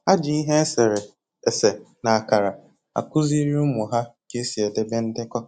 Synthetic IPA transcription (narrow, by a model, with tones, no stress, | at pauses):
a˦d͡ʒɪ˨i˦ɦe˦se˨ɾe˨ | e˨se˨ | na˨a˨ka˨ɾa˨ | a̰˨kʊ˦zi˦ɾi˦ʊ˦mʊ˨ɦa˦ke˦si˨e˨de˦be˦n̩˦dɪ˦kɔ˦